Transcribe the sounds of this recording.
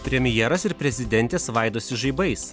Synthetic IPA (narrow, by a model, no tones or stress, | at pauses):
pʲɾʲɛmʲɪjɛɾɐsɪɾpʲɾʲɛzʲɪd̪ʲɛnʲt̪ʲeːsʋɑɪd̪oːsʲɪʒɐɪbɐɪs